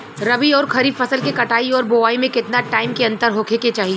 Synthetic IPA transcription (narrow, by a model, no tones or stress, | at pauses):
ɾɐbiɔːɾxʰɐɾiːfɐsəlkekɐʈʰaːiɔːɾboːʋaːimẽkɪt̪naʈaːɪmkeɐ̃nt̪əɾɦoːkʰeket͡ʃaːɦie